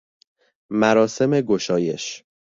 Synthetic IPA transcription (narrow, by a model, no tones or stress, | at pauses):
mæɾɒːse̞me̞ɡoʃɒːje̞̰ʃ